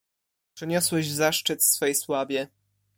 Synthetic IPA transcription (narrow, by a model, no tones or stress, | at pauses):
pʂɘɲɔswɛʑzaʂt͡ʂɘt̪fsfɛjswabʲjɛ